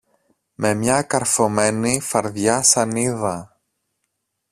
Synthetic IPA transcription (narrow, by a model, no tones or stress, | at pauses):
me̞mɲɐkɐɾfo̞me̞nifɐɾðʝɐsɐniðɐ